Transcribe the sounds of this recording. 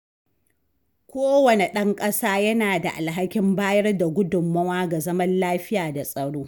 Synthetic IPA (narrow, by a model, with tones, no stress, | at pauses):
kʷoː˦wɐ˨ne˨ɗɐ˦ŋkʼɐ˦saː˦jɐ˦naː˨da˨ʔa˨lɦa˦kʲɪ˦mbaː˦jɐ˦rda˨ɡʷʊ˦dʊ˨mːɐ˦waː˦ɡa˨zɐ˦mɐ˦nlaː˦ɸɪ˦jaː˨da˨sʼɐ˨ɽoː˦